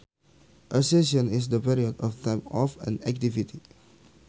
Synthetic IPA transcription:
ʔəsesɔ̃nis̬dəpiɾiɔdɔft̪ʰãɪ̃mɔfɛ̰̃nɛk̚t̪ivit̪ʰi

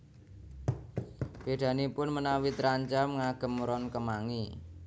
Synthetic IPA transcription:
b̥eɖ̥̪ä̤nipʊnmənawit̪əɾaɲt͡ʃamŋaɡ̥ə̤mɾɔnkəmaŋi

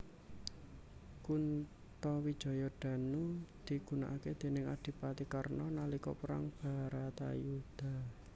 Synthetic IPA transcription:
kun | t̪ɔwid̥ʒ̥ɔ̤jɔɖ̥a̤nud̪̥i̤ɡ̥ṳna̰ʔaked̪̥e̤nɪŋaɖ̥i̤pat̪ikarnɔnalikɔ̰pəɾa̰ŋb̥a̤ɾat̪a̰jud̪̥a̤

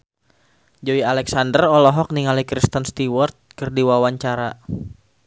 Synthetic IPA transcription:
d͡ʒoialɛksandərɔlɔɦɔk̚niŋalikɾist̪ənst̪iwɔrt̪̚kɨrdiwawaɲt͡ʃaɾa

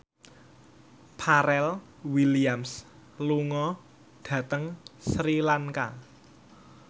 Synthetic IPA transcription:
pʰaɾɛl | wiliams | luŋɔ | ɖ̥ä̤t̪əŋsɾilaŋka

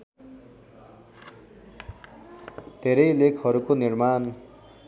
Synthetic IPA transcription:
d̪ʱeɾʌjlekʰɦʌɾukonirman

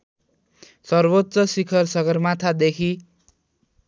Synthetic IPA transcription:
sʌrbot̪ːsʌsikʰʌrsʌɡʌrmat̪ʰad̪ekʰi

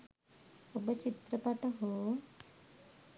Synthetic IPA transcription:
obət͡ʃit̪ɾəpaʈɐɦoː

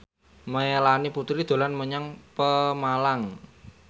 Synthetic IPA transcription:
məelaniput̪ɾid̪̥o̤lanməɲaŋpəmalaŋ

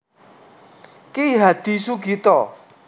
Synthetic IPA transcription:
keɦat̪isukit̪ɔʔ

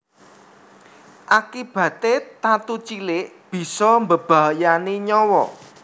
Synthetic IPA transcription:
ʔakib̥ä̤t̪et̪at̪ut͡ʃilɪʔ | b̥i̤sɔmbəb̥a̤janiɲɔwɔ

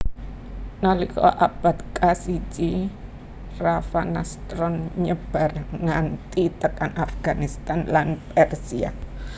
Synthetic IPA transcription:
nalikɔ̰ʔab̥a̤t̪kasit͡ʃi | rafanast̪ɾɔnɲəb̥a̤rŋant̪it̪əkanafɡ̥anist̪anlanpɛrsia̰

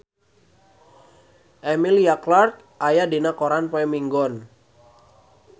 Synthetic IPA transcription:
ʔɛmiliaklark̚ | ʔajadinakɔɾanpaɛmiŋɡɔn

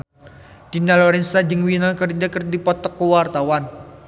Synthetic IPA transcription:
d̥inalɔɾɛnsad͡ʒəŋwinakərd͡ʒakərdipɔt̪ɔkːuwart̪awan

